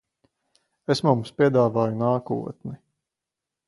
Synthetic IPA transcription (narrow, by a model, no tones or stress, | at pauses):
esmumspiɛd̪aːvaːjunaːkṵɔt̪ni